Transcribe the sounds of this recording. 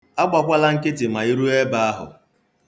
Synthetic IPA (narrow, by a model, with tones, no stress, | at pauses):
a˦ɡ͡ba˨kʷa˦la˦ŋ̩˦kɪ˦tɪ˨ma˨i˦ɾu˦e˦ba˨a˦ɦʊ̰˨